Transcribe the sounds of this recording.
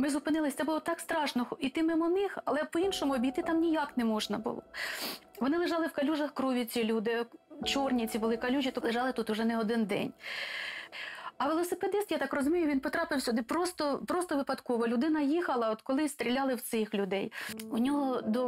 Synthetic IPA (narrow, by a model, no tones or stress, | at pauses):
mɪzʊpɪnɪlˠɪsʲt̪ɛbʊlˠɔt̪ɑkst̪ɾɑʃnɔxit̪ɪmɪmɔnɪxɐlˠɛpɔinʃɔmʊɔbʲijt̪ɪt̪ɑmnʲijɑknɛmɔʒnɐbʊ̰lˠɔ̰ | ʋɔnɪlˠɪʒɑlˠɪwkɐlʲuʒɐxkɾuʋʲit͡sʲilʲud̪ɪt͡ʃɔrnʲit͡sʲibʊlˠɪkɐlʲuʒʲit̪ɔlˠeʒɑlˠɪt̪ut̪ʊʒɛnɛɔd̪ɪnd̪ɛ̰nʲ | ɐʋelˠɔseped̪ɪst̪jat̪ɑkrɔzʊmʲijʊʋʲinpɔt̪ɾɑpɪwsʲʊd̪ɪpɾɔst̪ɔpɾɔst̪ɔʋɪpɐd̪kɔʋɔlʲʊd̪ɪnɐjixɐlˠɐɔd̪kɔlˠɪst̪ɾʲilʲɑlˠɪwt̪sɪxlʲʊd̪ɛjʊnʲɔɦɔd̪ɔ